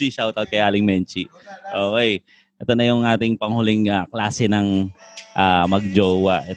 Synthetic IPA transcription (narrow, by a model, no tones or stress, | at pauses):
iʃawt̪ɐt̪̚kɐjaːlɪŋmɛnt͡ʃi | ʔoːkɛj | ʔɛt̪onɐjʊŋʔaːt̪ɪŋpɐŋhʊlɪŋaklaːsɛnɐŋʔaːmɐɡ̚d͡ʒoːwɐʔɛ